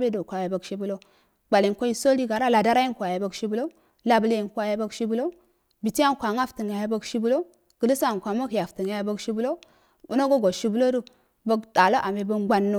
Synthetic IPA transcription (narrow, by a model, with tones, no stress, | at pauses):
be˦do˨kʷa˨ja˨ba˦ɡʃi˦bu˦lo˦ | ba˨li˨n˨kʷo˦ji˦so˦li˦ɡa˨ɾa˦la˨da˦ɾa˦ji˦ŋ˦kʷa˨ja˨ba˦ɡʃi˦bu˦lo˦ | la˦˨ble˦i˨ŋ˨kʷa˨ja˦ba˦ɡʃi˦bu˦lo˦ | bi˨ti˦a˦ŋ˨kʷa˨ŋa˦fti˨ŋa˨ja˦ba˦ɡʃi˦bu˦lo˦ | ɡ̥ə˨li˦sa˦˨ŋ˨kʷa˨ma˦kja˨fti˨ŋa˨ja˦ba˦ɡʃi˦bu˦lo˦ | bu˦na˦ɡo˦ɡo˨ʃi˦bu˦lo˦du˦ | ba˦ɡɗa˨lo˦ʔa˨me˨ba˦ɡʷa˦nːo˦